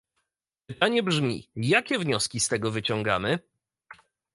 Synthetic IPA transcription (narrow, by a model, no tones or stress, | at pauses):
pɘt̪aɲɛbʐmʲḭjakʲɛvɲɔskʲist̪ɛɡɔvɘt͡ɕɔŋɡa̰mɘ